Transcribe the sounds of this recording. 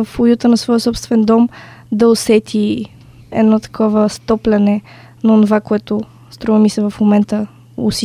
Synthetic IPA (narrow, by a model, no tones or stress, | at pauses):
əfʊjut̪ənɐsvɔjəsɔpst̪vɛnd̪ɔmd̪ɐʊsɛt̪ʰi | ɛ̰nɔt̪ɐ̥kʰɔvəst̪ɔplʲɐnɛ | nɐʊnʊvakoɛt̪ʊ | st̪ɾɔvɐmisɛvɐfmomɛnt̪ə | ʊ̰si